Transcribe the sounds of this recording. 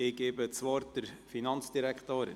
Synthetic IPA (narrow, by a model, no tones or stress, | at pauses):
ɪɡ̥eːbət͡sʋɔːɾtdəɾfinɑnt͡sd̥iɾɛkχt̪oːɾɪ̰